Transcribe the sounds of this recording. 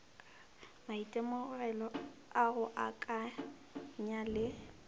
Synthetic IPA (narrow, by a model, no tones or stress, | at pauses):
maitʼɛmʊrɛlɔaɣʊʔakʼa | ɲalɪ